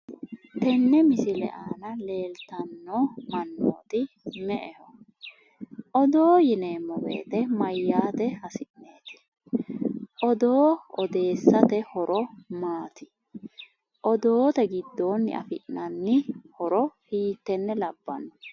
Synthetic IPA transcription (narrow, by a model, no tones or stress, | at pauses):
t̪ɛnːɛmɪsɪlɛ̰ʔaːnɐle̞ːlt̪ɐnːɔmɐnːo̰ːt̪ɪ | mɛʔɛhɔ | ʔɔd̪o̞ːjɪneːmːɔbḛːt̪ɛmɐjːaːt̪ɛhɐsɪʔneːt̪ɪ̥ | ʔɔd̪oːɔd̪e̞ːsːɐt̪ɛhɔɾɔmaːt̪ɪ̥ | ʔɔd̪oːt̪ɛɡɪd̪ːoːnːɪ̰ʔɐ̰fɪʔnɐnːɪhɔɾɔhiːt̪ːɛnːɛlɐbːɐ̰nːɔ